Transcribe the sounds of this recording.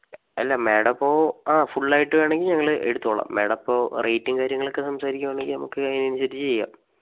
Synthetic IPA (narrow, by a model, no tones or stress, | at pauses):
ɐlːɐmeːɽɐpːo̞ːaːfuɭːaːjiʈːɨʋe̞ːɳe̞ŋɡilɲɐŋːɐɭɨe̞̰ɽut̪ːoːɭɐ̰mːe̞ːɽɐpːo̞ːrʔejtːiŋkaːɾjɐŋːɐɭokːesɐmsaːɾikʲːumaːɳeŋɡilnɐmukːɨɐðinɐnuɕɐd̪it͡ɕːt͡ɕejːa̰ːm